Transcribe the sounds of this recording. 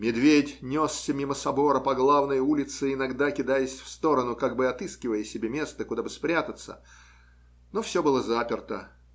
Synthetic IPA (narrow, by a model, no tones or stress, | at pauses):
mʲɪd̪vʲedʲnʲo̞sːʲəmʲiməsɐbo̞ɾəpɐɡlˠavnəjulʲɪt̪sɨɪnɐɡd̪akʲɪd̪ajəsʲfst̪o̞ɾənʊkaɡ̚bɨɐt̪ɨskʲɪvəjəsʲɪbʲemʲe̞st̪əkʊd̪abɨspɾʲat̪ət̪sə̰ | nofsʲo̞bɨlˠəzapʲɪrt̪ə̰